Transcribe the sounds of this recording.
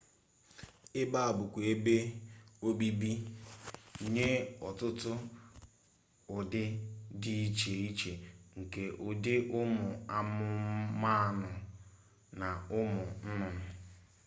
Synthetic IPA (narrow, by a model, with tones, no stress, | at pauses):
ɪ˦ba˦a˨bʊ˨kʷe˦be˦o˦bi˦bi˦˨ | ɲe˦ɔ˨tʊ˦tʊ˦ | ʊ˨dɪ˦di˦i˦t͡ʃe˨i˦t͡ʃe˨ŋ̩˨ke˨ʔʊ˨dɪ˦ʔʊ˦mʊ˨a˨mʊ˦ma˦˨nʊ˨ | na˨ʊ˦mʊ˨n̩˦nʊ˨mɪ˨